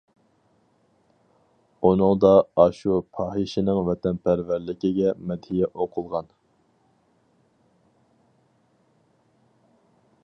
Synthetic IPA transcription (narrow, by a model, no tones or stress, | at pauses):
unɨŋd̪ɑɑʃupʰɑːɦɪʃɪnɨŋvɛt̪ʰɛnpʰæɾvæɾlɪkʲɪɡʲɛmɛd̪hijɛʔoqʰʊlˠʁɑn